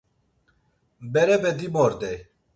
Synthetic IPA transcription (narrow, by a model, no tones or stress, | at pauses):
bɛɾɛbɛd̪imoɾd̪ɛ